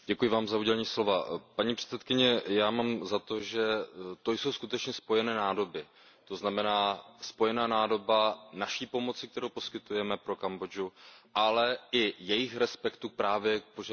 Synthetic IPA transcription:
ɟɛkujɪvaːmzauɟɛlɛɲiːslo̞vapaɲipr̝̥ɛ̥t̪t͡sɛt̪kɪɲɛjaːmaːmzat̪o̞ʒɛt̪o̞jso̞wskut̪ɛt͡ʃɲɛspo̞jɛnɛːnaːdo̞bɪ | t̪o̞znamɛnaːspo̞jɛnaːnaːdo̞banaʃiːpo̞mo̞t͡sɪk̚t̪ɛɾowpo̞skɪt̪ujɛmɛpɾo̞kambo̞d͡ʒuʔalɛɪjɛjɪxɾɛspɛkt̪uk̚pɾaːvjɛk̚poʒ

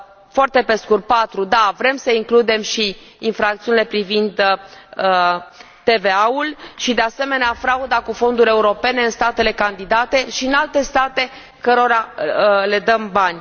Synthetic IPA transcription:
foart̪e̞pe̞skur̚pat̪ɾud̪avɾe̞msəiŋklud̪e̞mʃiː | nfɾak̚t̪siunile̞pɾivind̪ə | t̪e̞ve̞aulʃid̪e̞ase̞me̞neafɾaud̪akufo̞nd̪uɾʲe̞uɾo̞pe̞ne̞ɨnst̪at̪e̞le̞kand̪id̪at̪e̞ʃiɨnalt̪e̞st̪at̪e̞ | kəɾo̞ɾale̞d̪əmbanʲ

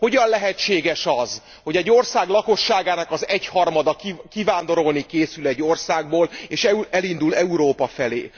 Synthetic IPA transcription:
ho̞ɟɒnlɛɦɛt͡ʃːeːɡɛʃɒz | ho̞ɟɛɟːo̞rsaːɡlɒko̞ʃːaːɡaːnɒkɒzɛchɒrmɒd̪ɒkkivaːnd̪o̞ɾo̞lnikeːsylɛɟːo̞rsaːɡ̚boːleːʃɛɛlind̪ulɛuɾoːpɒfɛlḛː

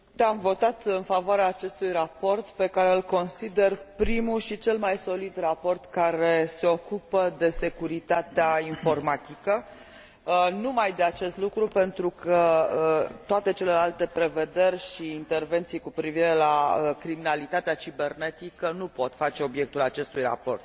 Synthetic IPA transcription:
t̪eamvo̞t̪at̪ɨnfavoaɾeaːt͡ʃe̞st̪ujrapo̞rt̪pe̞kaɾe̞ɨlko̞nsid̪e̞rpɾimuʃit͡ʃe̞lmajso̞lid̪rapo̞rt̪kaɾe̞se̞o̞kupəd̪e̞se̞kuɾit̪at̪eainfo̞rmat̪ikə | numajd̪e̞at͡ʃe̞st̪lukɾupe̞nt̪ɾukə | t̪oat̪e̞t͡ʃe̞le̞lalt̪e̞pɾe̞ve̞d̪e̞rʲʃiːnt̪e̞rve̞nt̪sijkupɾiviɾe̞laəkɾiminalit̪at̪eat͡ʃibe̞rne̞t̪ikənupo̞t̪fat͡ʃe̞o̞bje̞k̚t̪ulat͡ʃe̞st̪ujra̰po̞rt̪̚

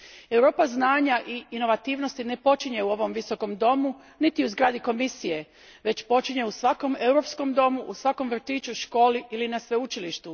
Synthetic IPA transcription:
e̞wɾo̞ːpaznaːɲaʔiːno̞ʋat̪iːʋno̞st̪ine̞po̞t͡ʃiɲe̞uo̞ʋo̞mʋiso̞ko̞md̪o̞mu | nit̪iuzɡɾaːd̪iko̞misije̞ | ʋe̞t͡ɕpo̞t͡ʃiɲe̞usʋako̞me̞wɾo̞psko̞md̪o̞muʔusʋako̞mʋr̩t̪iːt͡ʃuʃko̞ːliilinasʋe̞ut͡ʃiliʃt̪u

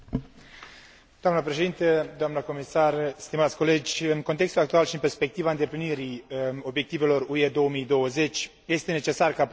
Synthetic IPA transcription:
d̪oamnəp̬ɾe̞ʃeint̪əd̪oamnəko̞misarst̪imat̪sʲko̞le̞d͡ʒʲɨnko̞nt̪e̞kst̪ulak̚t̪ualʃiɨnpe̞rspe̞k̚t̪ivaɨnd̪e̞pliniɾio̞bje̞kt̪ive̞lo̞rue̞d̪o̞wəmijd̪o̞wəze̞t͡ʃʲ | je̞st̪e̞ne̞t͡ʃe̞sarka

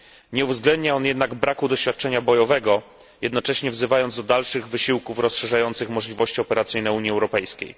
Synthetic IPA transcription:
ɲɛuvzɡlɛnd̪ɲaɔnjɛd̪naɡbɾakud̪ɔɕfʲjat̪̚t͡ʂɛɲabɔjɔvɛɡɔ | jɛd̪nɔt͡ʂɛɕɲɛvzɘvajɔnd̪zd̪ɔd̪alʂɘɣvɘɕiwkufɾɔsʂɛʐajɔnt̪sɘxmɔʐlʲivɔɕt͡ɕiɔpɛɾat̪sɘjnɛuɲiɛwɾɔpɛjskʲḛj

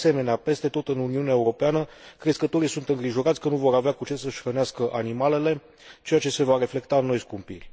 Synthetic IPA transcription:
se̞me̞neape̞st̪e̞t̪o̞t̪ɨnuniuneaeuɾo̞peanəkɾe̞skət̪o̞ɾijsunt̪ɨŋɡɾiʒo̞ɾat̪sʲkənuvo̞ɾaveakut͡ʃe̞səʃʲrəneaskəʔanimale̞le̞ | t͡ʃe̞jat͡ʃe̞se̞vaɾe̞fle̞kt̪aɨnːo̞jskumpḭrʲ

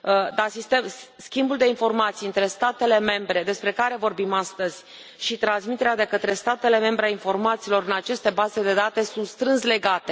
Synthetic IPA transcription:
d̪asist̪emskʲimbuld̪e̞info̞rmat̪sijɨnt̪ɾe̞st̪at̪e̞le̞me̞mbɾe̞d̪e̞spɾe̞kaɾe̞vo̞rbimast̪əz̥ʲ | ʃit̪ɾansmit̪e̞ɾead̪e̞kət̪ɾe̞st̪at̪e̞le̞me̞mbɾeainfo̞rmat̪siːlo̞ɾɨnat͡ʃe̞st̪e̞baze̞d̪e̞d̪at̪e̞sunt̪st̪ɾɨnsle̞ɡat̪e̞

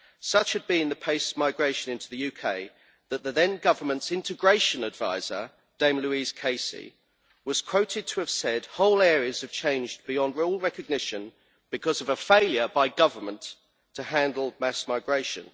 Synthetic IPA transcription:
sʌt͡ʃhɨd̚bĩnðəpʰeɪsmaɪɡɹeɪʃə̃nɪ̃ntʰuðəjʉːkʰeɪ | ðəʔ̪ðəðɛ̃nɡʌvə˞mə̃ntsɪ̃ntʰɪɡɹeɪʃə̃nədva̰ɪzə̰ | d̥ẽɪ̃mlʉiz̥kʰeɪsḭ | wɒz̥kʰw̥əʊtʰɪd̚tʰəːv̥sɛd̥̚hɒʊlɛːɹiəz̥əv̥t͡ʃʰẽɪ̃nd͡ʒb̥ɪjɒ̃ndɹɔlˠɹɛkəɡ̚nɪʃə̃n | b̥ɨkʰɒzʌvəfeɪljəbaɪɡʌvəmə̃nt | tʰəhæ̃ndˡl̩ˠmæsmaɪɡɹeɪʃə̰̃n

